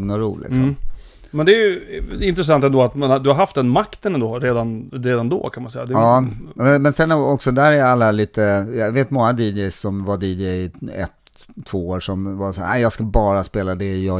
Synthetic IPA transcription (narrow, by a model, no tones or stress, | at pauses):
ŋnɔɾṵːlʔɪ̰ksɔ̰m | mɛnd̪ɛːjɵɪnt̪ɾɛs̬ant̪ɛnd̪oːat̪manad̪ɵhaɾɦaft̪d̪ɛnmakt̪ənɛnd̪oːɾeːd̪anɾeːd̪and̪o̰ːkʰanmansɛjad̪ɛɑːmɛnmɛnsɛnɔksɔd̪æɾæɾjalːaliːt̪əjɑveːt̪mɔŋːad̪iːd͡ʒɛjsɔmvaɖiːd͡ʒɛjɪɛ̰t̪ʰː | voːoːɾʂɔmvasa̰ːɾʔæ̰ɪjɑːɡskabɑːɾaspeːlad̪ɛjɑ